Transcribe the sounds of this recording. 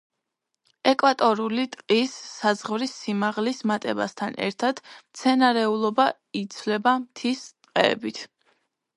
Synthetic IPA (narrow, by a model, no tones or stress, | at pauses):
ɛkʼwat̪ʼɔɾulit̪ʼqʼisːazʁvɾisːimaʁlismat̪ʼɛba̰st̪ʰanɛ̰ɾt̪ʰad̪̥mt̪sʰɛnaɾɛulˠɔba | it̪sʰlɛbamt̪ʰist̪ʼqʼɛ̰ːbit̪ʰ